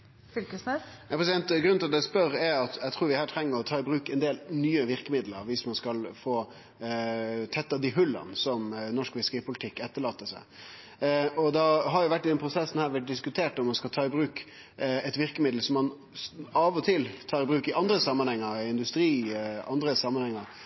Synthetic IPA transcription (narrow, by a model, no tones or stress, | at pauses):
fʏlkəsnɛɑpʰɾɛsɪd̪ɛnt̪ɡɾʉnɪlɑt̪ɛspœɾɛɾɑt̪ɛɪt̪ʰɾuːɾʋɪhæːʈʰɾɛŋːəɾɔt̪ʰɑːɪbɾʉːkɛnd̪eːlnyːəʋɪɾkəmɪd̪lə̰ɾʋɪsmɑnskɑlfoː | t̪ʰɛt̪ːɑd̪iɦʉlːɑ̰nsɔmnɔʂkʋɪsɾiːpʊlɪt̪ʰɪkːɛt̪ːəɭɑːt̪ːəsæ̰ɪ | ɔd̪ɑɦɑɾjʊʋæʈːɪd̪ɛnpʰɾʊsɛsːən̩hæːɾʋæʈ̚d̪ɪskʉt̪ʰeːʈɔmːɑnskɑlt̪ʰɑːɪbɾʉːk | ɛt̪ʋɪɾkəmɪd̪l̩sɔmːɑn | ɑʋɔt̪ʰɪlt̪ʰɑːɾɪbɾʉːkɪʔɑnd̪ɾəsɑmːɑnhɛŋːəɾɪnd̪ʉst̪ɾiːʔɑnd̪ɾəsɑmːɑnhɛŋːəɾ